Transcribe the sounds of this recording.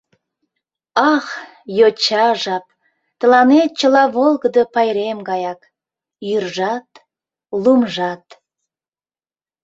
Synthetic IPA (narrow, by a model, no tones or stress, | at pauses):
ɑχ | jot͡ɕɑʒɑp̚ | t̪ə̆lɑnet̪̚t͡ɕəlɑβolˠɣəd̪əpɑjɾemɡɑjɑk | jyrʒɑt̪ | lumʒɑt̪